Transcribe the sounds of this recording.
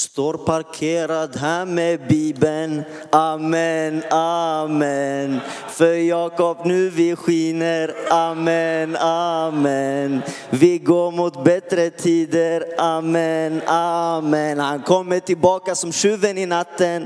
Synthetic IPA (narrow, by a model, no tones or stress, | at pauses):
st̪oːɾpʰaɾkʰeːɾad̪ɦæːɾmɛbiːbən | amɛnamɛn | fœɾjɑːkɔpnʉ̟ːvɪɧiːnəɾamɛnamɛn | vɪɡoːɾmut̪bɛt̪ɾət̪ʰiːd̪əɾʔamɛnamɛnhankʰɔmːəʈɪlbɑːkasɔmʃʉːvənɪnat̪ːən